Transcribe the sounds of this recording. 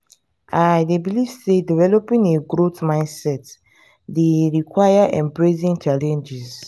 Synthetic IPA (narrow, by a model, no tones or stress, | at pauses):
ajdebiliv̥sedivɛlɔpĩŋeɡɹotmãɪ̃nsɛt | deɹikwajaʔɛ̃mbɹezĩŋt͡ʃalɛ̃nd͡ʒiz